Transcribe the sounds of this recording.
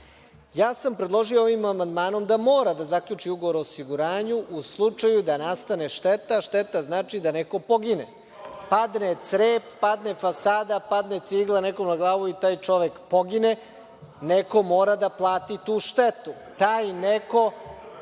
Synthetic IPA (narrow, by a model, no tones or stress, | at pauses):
jaːsampɾed̪lˠo̞ʒijooʋimamand̪maːno̞md̪amo̞ːɾad̪azakʎʲuːt͡ʂiuɡoʋoɾoːsiɡuɾaːɲuʔuslˠut͡ʂajud̪anast̪aneʂt̪et̪aʃt̪et̪aznaːt͡ʃid̪aneko̞po̞ɡine | pad̪net̪sɾeːpːad̪nefasaːd̪apad̪net̪siɡlˠanekomnaɡlˠaːʋuit̪aːjt͡ʂo̞ʋekpoɡine̞ | neko̞mo̞ːɾad̪aplˠaːt̪it̪uːʃt̪et̪u | t̪aːjneko̞